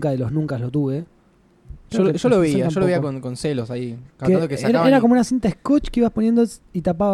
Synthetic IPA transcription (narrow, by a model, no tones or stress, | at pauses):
kaðeloznũŋkaslot̪uβe̞ | ɾeeʃoloβiaaoloiakonkonselosaikak̪enokesaeɾaeɾakomunasint̪aehskot͡ʃkeiβasponje̞nd̪oit̪ap̬a